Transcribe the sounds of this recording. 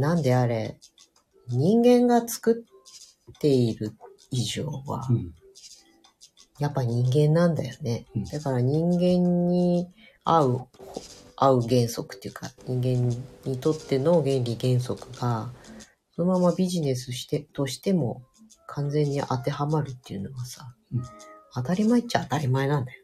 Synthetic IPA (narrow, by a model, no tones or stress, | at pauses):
nãnd̪e̞aɾe̞̰ | ɲ̟ĩŋɡẽ̞ŋɡat͡sɨ̥kɯ̟t̪ː | e̞iɾɯ̟ | iʑoːβa̰ | japːaɲ̟ĩŋɡẽ̞nːãnd̪ajo̞ne̞d̪̥akaɾaɲ̟ĩŋɡẽ̞ɲ̟ːi | aɯ̟haɯ̟ɡẽ̞ɰ̃so̞kɯ̥t̪ːejɯ̟ka̰ɲĩŋɡẽ̞ɲɲːit̪o̞t̪ːe̞no̞ɡẽ̞nɾʲiɡẽ̞ɰ̃s̬o̞kɯ̟ɡa | so̞no̞mamabʲiʑine̞s̬ɨɕi̥t̪et̪o̞ɕi̥t̪e̞mo̞ | kʰãnd͡zẽ̞ɲ̟ːiʔat̪e̞hamaɾɯ̟t̪ːe̞ɯ̟no̞ɡasa | at̪aɾʲimaett͡ɕːaat̪aɾʲimaenãnd̪ajo